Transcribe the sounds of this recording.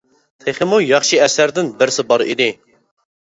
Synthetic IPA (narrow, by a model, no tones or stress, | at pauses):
t̪ʰeχemojɑχʃiɛsɛɾd̪ɨnbɨɾsɨbɑɾḭd̪i